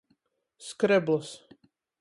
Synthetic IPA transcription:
skɾɛblˠɔs

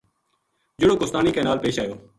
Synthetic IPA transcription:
d͡ʒɪɽoːkost̪aːniːkeːnaːlpeːʃaːjoː

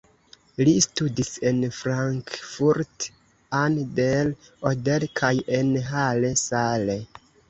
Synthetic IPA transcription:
listudisenfɾaŋkfuɾt | andelodelkʰajenɦalesale

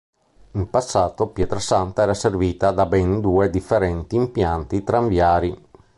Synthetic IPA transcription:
impasːaːt̪opjɛːt̪ɾasant̪aɛːɾaserviːt̪ad̪abɛnd̪uːed̪ifːeɾɛnt̪iːmpjant̪it̪ɾaɱvjaːɾi

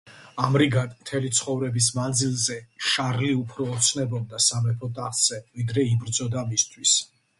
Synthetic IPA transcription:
amɾiɡad̪mt̪ʰɛlit̪sʰχɔvɾɛbis̬mand̪zilˠzɛʃaɾliupʰɾɔːt̪sʰnɛbɔb̚d̪asamɛpʰɔt̪ʼaχz̥ɛvid̪ɾɛibɾd̪zɔd̪amist̪ʰwis

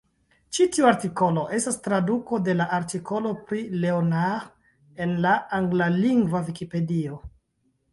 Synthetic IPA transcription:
t͡ʃitiuaɾtiko̞lo̞ʔe̞stastɾaduko̞de̞laʔaɾtikʰo̞lo̞pɾile̞onaʁ | e̞nlaaŋɡlaliŋɡvavikipe̞dio̞

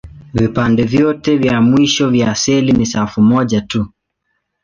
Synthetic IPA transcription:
vipandɛvjɔtɛvjamwiʃɔvjasɛlinisafumɔʄatu

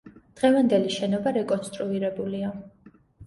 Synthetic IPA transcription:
d̪̥ʁɛvand̪ɛliʃɛnɔbaɾɛkʼɔnst̪ʼɾuiɾɛbulia

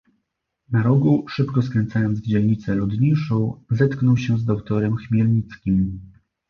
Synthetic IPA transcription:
naɾɔɡuʂɘpkɔskɾɛnt̪sajɔnd̪zvd͡ʑɛlɲit̪sɛlud̪ɲiʂɔ̃w̃zɛt̪knɔwɕɛzd̪ɔkt̪ɔɾɛmxmʲjɛlɲit̪skʲim

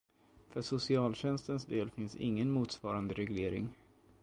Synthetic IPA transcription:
fœʂʊsɪɑːlɕɛnst̪ənsd̪eːlfɪnsɪ̰ŋːənmuːt̪svɑːɾand̪əɾɛɡleːɾɪ̰ŋ

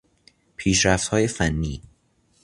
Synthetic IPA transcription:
pʰiːʃɾæft̪hɒːjefænːḭː

